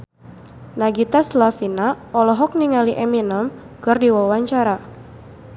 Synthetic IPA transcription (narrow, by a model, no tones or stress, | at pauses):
naɡit̪aslafina | ɔlɔɦɔk̚niŋaliʔɛminəm | kɨrdiwawaɲt͡ʃaɾa